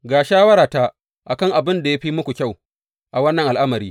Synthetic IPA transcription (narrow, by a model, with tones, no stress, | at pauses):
ɡaː˨ʃaː˦wɐ˦ɾaː˨ta˦ | ʔa˨kɐ˦ŋʔa˨bɪ˦nda˨ja˦ɸiː˦mʊ˦kʷu˨kʲa˦˨w | ʔa˨wɐ˦nːɐ˨ŋʔa˨lʔa˦mɐ˨ɾiː˦